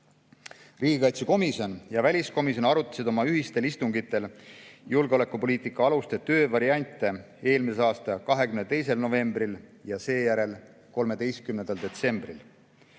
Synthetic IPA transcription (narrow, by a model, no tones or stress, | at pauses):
riːɡ̥ikɑjt̪suko̞misjo̞njɑvælʲisko̞mis̬jonɑɾut̪ːˑɑ̥sid̪o̞mɑyɦist̪e̞list̪uŋɡ̥it̪ːˑe̞ljulɡ̥eo̞le̞kːˑupo̞liːt̪ˑikːˑɑɑlust̪et̪ø̞ːvɑɾiɑnʲt̪ˑːe | e̞ːlmiseɑːst̪ɑkɑɦe̞kymnet̪e̞js̬e̞lno̞ve̞mbriljɑse̞ːjæɾe̞l | ko̞lme̞d̪e̞jst̪̚kymnend̪̥ɑld̪e̞t̪se̞mb̥ril